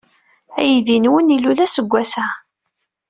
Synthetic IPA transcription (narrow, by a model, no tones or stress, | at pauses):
æjðinwənilulæsəɡʷːæsæ